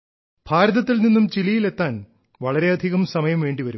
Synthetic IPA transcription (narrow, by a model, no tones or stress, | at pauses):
b̥ʱaːɾɐðɐt̪ːilninːumt͡ɕilijile̞t̪ːaːn | ʋɐɭɐɾe̞ɐd̪ʱiɣɐmsɐmɐjɐmʋe̞ːɳɖiʋɐɾum